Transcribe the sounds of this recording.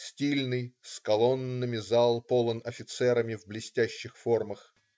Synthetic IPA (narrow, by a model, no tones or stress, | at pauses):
sʲtʲilʲnɨjskɐlˠo̞nːɨmʲɪzalˠpolˠənɐfʲɪt̪sɛɾəmʲɪvblʲɪsʲtʲæɕːɪxforməx